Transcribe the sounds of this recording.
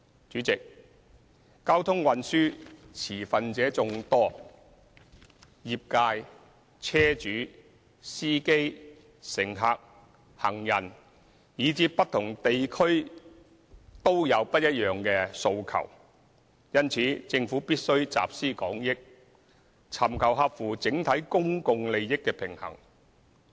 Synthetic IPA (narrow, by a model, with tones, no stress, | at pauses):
t͡ʃyː˨˥t͡sɪ˨k̚ | kaː˥wt̪ʰʊ˥ŋwɐ˧nsyː˥t͡sʰiː˨˩fɐ˨nt͡sɛː˨˥t͡sʊ˨˧ŋt̪ɔː˥ | jiː˨p̚kaː˧j | t͡sʰɛː˥t͡ʃyː˨˥ | siː˥ke˥j | sɪ˨˩ŋɦaː˨k̚ | hɐ˨˩ŋjɐ˨˩n | jiː˨˧˥t͡siː˧ppːɐ˥t̚t̪ʰʊ˨˩ŋt̪e˨jkʰɵ˥ɥ | t̪o˥wjɐ˨˧wpɐ˥t̚jɐ˥t̚jœː˨ŋkɛː˧so˧wkʰɐ̰˨˩w | jɐ˥nt͡sʰiː˨˥t͡sɪ˧ŋfuː˨˥piː˥t̚sɵ˥ɥt͡sa̰ː˨p̚siː˥kɔː˨˥ŋjɪ˥k̚ | t͡sʰɐ˨˩mkʰɐ˨˩wɦɐ˧p̚fuː˨˩t͡sɪ˨˥ŋt̪ʰɐ˨˥jkʊ˥ŋkʊ˧ŋle˨˧jjɪ˥kːɛ˧pʰɪ˨˩ŋhɐ̰˨˩ŋ